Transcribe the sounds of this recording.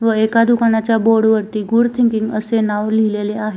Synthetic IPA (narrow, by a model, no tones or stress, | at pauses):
ʋəekad̪ukanat͡ɕjaboɽʋəɾt̪iːɡuɽt̪ʰiŋkiŋɡəsenaʋlileleaɦe